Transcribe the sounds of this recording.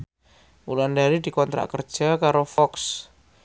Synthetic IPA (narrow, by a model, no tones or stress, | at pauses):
ulandaɾid̪i̤kɔnt̪ɾa̰ʔkərd̥d͡ʒʒ̥akaɾofɔks